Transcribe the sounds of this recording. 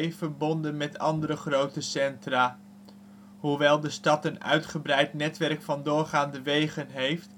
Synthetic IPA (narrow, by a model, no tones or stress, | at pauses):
jv̥əɹbɔndənmɛtɑ̰ndəɾəχrowtəsɛntraː | ɦuʋɛlˠdəstɑtənœ̰ɥtχəbrɛjtnɛtʋɛrkfɑndʊːɹχaːndəʋejχənɦejft